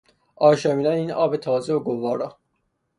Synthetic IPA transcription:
ɒːʃɑmiːd̪æniːnɒːbet̪ʰɒːzeoɡovɒːɾɒː

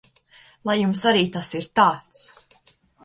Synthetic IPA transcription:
lˠajːumsaɾiːt̪asiɾt̪aːt̪s

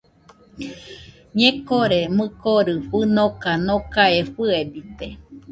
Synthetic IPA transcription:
ɲẽkoɾemɨkoɾɨɸɨnokanõkaeɸɨebit̪e

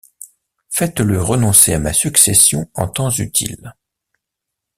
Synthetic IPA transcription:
fɛt̪ləʁənɔ̃seamasyksesjɔ̃ɑ̰̃t̪ɑ̃zyt̪ʰḭl

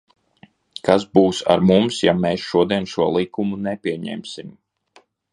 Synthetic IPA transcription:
kasbuːsa̰ɾmumsjameːsʃuɔd̪iɛnʃuɔlˠikumunɛpʲiɛɲɛ̰ːmsim

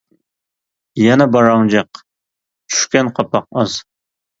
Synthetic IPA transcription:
jɛnɛbɑɾɑŋd͡ʒɑq | t͡ʃʰy̥ʃkʲɛnqʰɑpʰɑq̚ɑz̥

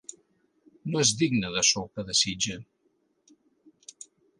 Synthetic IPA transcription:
noezðiɡnəðəsokəðəsid͡ʒə

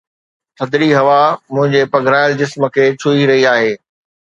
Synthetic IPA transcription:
t̪ʰɐd̪ɾiɦɐʋamʊ̃ɦɪ̃ɲd͡ʑepɐɡʱɾaːɪld͡ʑɪsmə̆kʰeːt͡ɕʰuiɾɐɦiaːɦeː

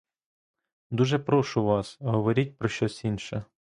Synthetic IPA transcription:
d̪uʒɛpɾɔʃʊʋɑsɦɔʋɔɾʲit̚ʲpɾɔʃt͡ʃɔsʲinʃɛ

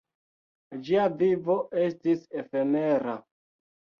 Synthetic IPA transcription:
d͡ʒiavivo̞ʔe̞stisefemeɾa

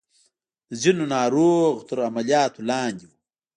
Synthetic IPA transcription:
əzinonɑːɾoːɣt̪əɾamalijɑːt̪olɑːnd̪iwu

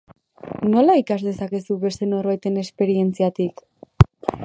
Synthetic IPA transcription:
no̞laikazðe̞sake̞suβe̞st̪e̞no̞ɾβajt̪e̞ne̞spe̞ɾie̞nt͡siat̪ik

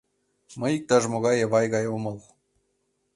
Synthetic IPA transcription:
mɤjik̚t̪ɑʐmŏɣɑjeʋɑjɡɑjomɤlˠ

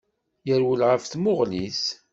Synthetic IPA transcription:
jəɾwəlʁəfθmʊʁlis

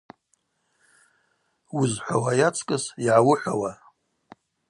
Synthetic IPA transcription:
wʊzħʷa̰wajat͡sʰʼkʼɨsiʕawʊħʷawa

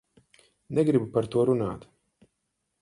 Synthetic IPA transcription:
nɛɡɾibupaɾt̪uɔɾuna̰ːt̪

